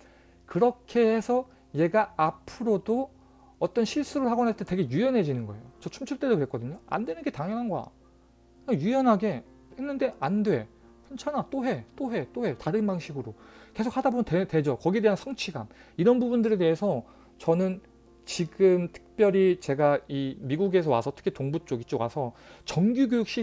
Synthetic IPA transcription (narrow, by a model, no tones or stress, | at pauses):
kɯɾʌkʰe̞hesʰʌ | je̞ɡaapʰɯɾodo | ʌt͈ʌnɕʰiɭs͈uɾɯɭɦaɡʌnast͈ete̞ɡe̞jujʌnɦe̞d͡ʑinɯnɡʌe̞̰jot͡ɕʌt͡ɕʰumt͡ɕʰuɭt͈e̞dokɯɾek͈ʌdɯɲoa̰ndwe̞nɯnɡe̞taŋjʌnɦanɡʌa̰ | kajujʌnɦaɡe̞ | henːɯnde̞ʔandwe̞ | pʰent͡ɕʰanat͈oɦe̞t͈oɦe̞t͈ohe̞taɾɯnbaŋɕʰiɡɯɾo | ke̞sʰokʰːadabomntete̞d͡ʑʌkʌɡiedeɦansʰʌŋt͡ɕʰiɡa̰niɾʌnbubundɯɾe̞te̞ɦesʰʌ | t͡ɕʌnɯn | t͡ɕiɡɯmtʰɯ̥k̚p͈jʌɾit͡ɕe̞ɡaimiɡuɡe̞s̬ʰʌwa̰sʰʌtʰɯ̥kʰitoŋbut͡ɕ͈oɡit͡ɕ͈owa̰sʰʌt͡ɕʌŋɡʲjuɡʲjojuk̚ɕ͈i